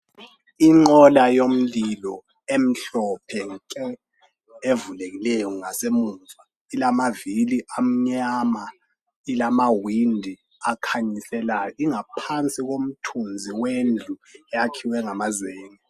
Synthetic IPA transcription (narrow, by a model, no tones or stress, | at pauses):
iŋ͡ǃɔlajom̩lilɔ | em̩ɬɔpʰɛŋǀɛ | evuleɣilɛjɔŋasemuːɱva | ilamaviliʔam̩ɲama | ilamawindʱi | akʰaɲisɛlajɔiŋapʰant͡sʼiɣom̩tʰund͡zʱiwend͡ɮʱuɛakʰiwɛŋamazɛːŋɛ